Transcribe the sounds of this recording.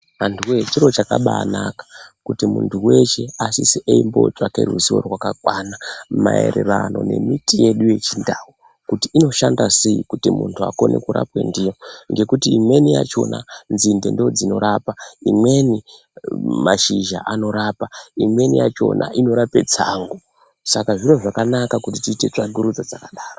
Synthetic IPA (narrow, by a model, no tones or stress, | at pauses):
ɦantuwet͡ʃiɾo̞t͡ʃakaɓaːnakḁkutimuntʰuwe̞ʃe̞asisiʔeimbo̞t͡ʃakḛrṵziwo̞̰rwakakwanamae̞̰ɾe̞rano̞ne̞mitije̞ɗuje̞t͡ʃindawu | kutiino̞ʃandaseikutimuntʰua̰ko̞ne̞̰kuɾa̰pwe̞ndijo̞ŋɡe̞kutiːmwe̞nijat͡ʃo̞na̰nzinde̞ndeod͡zino̞ɾapaimwe̞ni | maʃiʒa̰ʔano̞ɾapaimwe̞nijat͡ʃo̞̰na̰ʔino̞ɾape̞d͡zaŋɡo | sakaʐiroʐakanakakutitiːte̞t͡ʂaɡʱuɾud͡zod͡zakaɗaːro